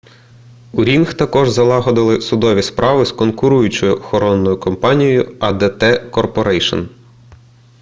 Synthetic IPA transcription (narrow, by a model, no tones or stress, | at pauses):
uɾʲinxt̪ɐkɔʒzɐlˠɑɦɔd̪ɪlˠɪsʊd̪ɔʋʲispɾʔɑʋɪskɔnkʊɾujʊt͡ʃɔjʊɔxɔɾɔnːɔjʊkɔmpɑnʲijɔjʊɐd̪et̪ɛkɔrpɔɾɛjʃɔ̰n